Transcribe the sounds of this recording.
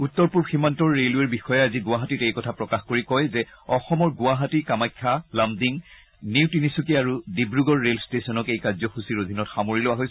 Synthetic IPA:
utːɔɹpuɹbximantɔɹːelueɹbixɔjɛaziɡʊaɦatitejkɔtʰapɹɔkaxkoɹikɔjzɛ | ɔxɔmɔɹɡʊaɦatikamajkʰːalamdiŋ | niwtinisukiaɹudibɹuɡɔɹːelstesɔnɔkejkazɔxusiɹodʱinɔtxamoɹilʊwaɦojs

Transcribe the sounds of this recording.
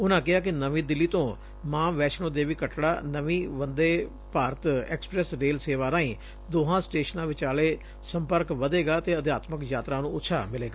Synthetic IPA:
ʊnãːkɪɦaːk̬ɪnəʋĩːd̪ɪlːiːt̪õː | mãːʋɛːʃnõːd̪eːʋiːkəʈɽaːnəʋĩːʋənd̪eː | paːɾət̪ɛ̰ːkspɾɛːsɾeːlseːʋaːɾãːĩː | d̪oːɦãːsʈeːʃənãːʋɪt͡ʃaːleː | səmpəɾkʋəd̪eːɡaːt̪eːəd̪jaːt̪məkjaːt̪ɾaːnũːʊt̪ːʃʰaːmɪleːɡaː

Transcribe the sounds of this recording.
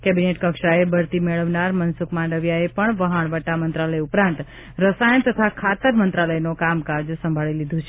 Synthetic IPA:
kɛbineʈkəkʃaebəɾt̪imeɭəʋnaɾmənsukmãɳɖəʋjaepəɳʋəɦəɳ̃ʋəʈamənt̪ɾaləjupɾãnt̪ | ɾəsajəɳt̪ət̪ʰakʰat̪əɾmənt̪ɾaləjnokamkaɾd͡ʒsəmbʱaɭilid̪ʱũt͡ʃʰe

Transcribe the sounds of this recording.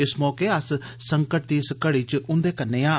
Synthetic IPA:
ɪsmɔːkeːəssəŋkəʈ̚t̪iːɪskəɽiːt͡ʃʔʊnd̪eːkəɾneːãː

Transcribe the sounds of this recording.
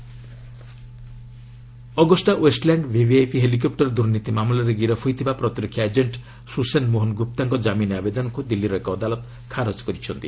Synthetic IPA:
ɔɡɔsʈaʔwesʈlaɳɖbʱibʱiejpʰiɦelik̬ɔpʈɔɾd̪uɾnit̪imamlɔɾeɡiɾɔpʰujt̪ʰibapɾɔt̪iɾɔkʰjaed͡ʒeɳʈ | susenmoɦonɡup̚t̪aŋkɔd͡ʒaminabed̪ɔnɔkud̪ilːiɾɔekɔːd̪alɔt̪ | kʰaɾɔt͡ʃkɔɾit͡ʃʰɔnt̪i

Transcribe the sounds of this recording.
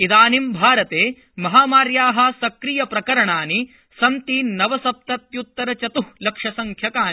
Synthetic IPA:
id̪aːnimbʱaːɾɐt̪eː | mɐɦaːmaːɾjaːɦɐsɐkɾijɐpɾɐkɐɾɐɳaːni | sɐnt̪iːnɐʋɐsɐp̚t̪ɐt̪jut̪ːɐɾɐt͡ʃɐt̪uhlɐkʂɐsɐŋkʰjɐkaːni

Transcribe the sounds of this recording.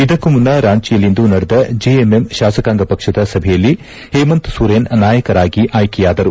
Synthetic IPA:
id̪ɐkːumunːɐɾaːɲt͡ʃijɐlind̪unɐɽɐd̪ɐd͡ʒiememʃaːsɐkaːŋɡɐpɐkʂɐd̪ɐsɐbʱɛjɐlːi | heːmɐnt̪suɾeːnnaːjɐkɐɾaːɡiʔaːjkɛjaːd̪ɐɾu

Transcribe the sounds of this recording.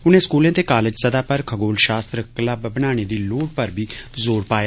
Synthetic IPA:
ʊnẽːskuːlẽːt̪eːkaːlɪd͡ʒsəd̪aːpəɾkʰəɡoːlʃaːst̪ɾəklaːbəbənaːɽ̃eːd̪iːloːʈ̚pəɾbʱiːzoːɾpaːja

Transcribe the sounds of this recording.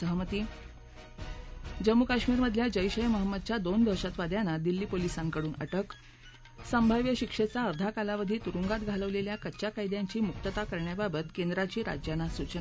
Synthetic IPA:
əɦmət̪iː | d͡ʑəmːukaɕmiːɾməd̪ʱjad͡ʑəjɕəjməɦəmːəd̪̚t͡ɕjad̪ond̪ʱəɾɕat̪ʋad̪janːad̪ilːiːpolisãŋkəɽuːnə̰ʈək | səmbʱaʋjəɕikʂet͡saəɾd̪ʱakalaʋəd̪ʱiːt̪uɾuŋɡat̪ɡʱaləʋleljakətːɕakajd̪jaɲt͡ɕiːmuk̚t̪ət̪akəɾɳjababət̪kend̪ɾat͡ɕiːɾa̰d͡ʑjanasut͡ɕən

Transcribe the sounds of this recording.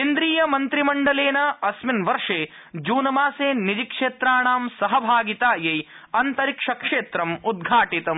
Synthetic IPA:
ind̪ɾiːjɐmɐnt̪ɾimɐɳɖɐleːnɐɐsminʋɐɾʂeː | d͡ʒuːnɐmaːseːnid͡ʒikʂeːt̪ɾaːɳaːmsɐɦɐbʱaːɡit̪aːjej | ɐnt̪ɐɾikʂɐkʂeːt̪ɾɐmud̪̚ɡʱaːʈit̪ɐm

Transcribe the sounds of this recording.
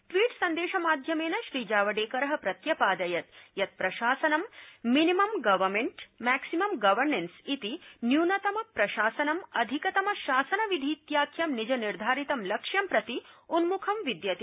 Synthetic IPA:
ʈʋiːʈsɐnd̪eːʃɐmaːd̪ʱjɐmeːnɐʃɾiːd͡ʒaːʋɐɖeːkɐɾɐɦɐpɾɐt̪jɐpaːd̪ɐjɐt̪jɐt̪̚pɾɐʃaːsɐnɐmːinimɐmɡɐʋɐmeɳʈmæːksimɐmɡɐʋɐɾnensit̪injuːnɐt̪ɐmɐpɾɐʃaːsɐnɐmɐd̪ʱikɐt̪ɐmɐʃaːsɐnɐʋid̪ʱiːt̪jaːkʰjɐmnid͡ʒɐniɾd̪ʱaːɾit̪ɐmlɐkʂjɐmpɾɐt̪iunmukʰɐmʋid̪jɐt̪i

